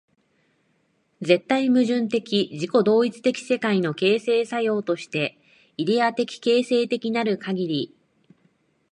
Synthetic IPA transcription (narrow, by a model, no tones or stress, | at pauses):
ze̞t̪ːaimɯ̟ʑɨ̃nt̪e̞kʲiʑiko̞d̪o̞ːit͡sɨ̥t̪e̞kʲi̥se̞kaino̞ke̞ːse̞ːsajo̞ːt̪o̞ɕi̥t̪e̞ | id̪e̞at̪e̞kʲi̥ke̞ːse̞ːt̪e̞kʲinaɾɯ̟kaɡʲiɾʲi